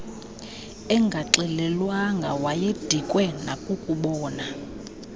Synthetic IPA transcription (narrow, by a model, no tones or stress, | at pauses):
ɛŋɡʱaǁɛlɛlwaŋɡʱawajed̥ʱikʼwɛnakʼukʼuɓɔːna